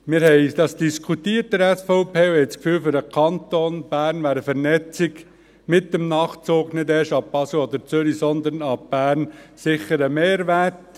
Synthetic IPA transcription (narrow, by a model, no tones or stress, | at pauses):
mɪɾhɛɪd̪̥ɑsd̥iskʰutiːəɾt̚dəɾɛsfɔʊpeːwhɛɪt͡skfyːlfʏɾəkʰɑnt̪onb̥æːɾnʋæːɾəfɛɾnɛt͡sɪɡ | mɪt̚dəmnɑːχt͡soːɡnɪdɛʃɑb̥ɑslod̪əɾt͡sʏɾisɔnd̪ənɑb̥æːɾnsɪχəɾəmeːɾʋæɾt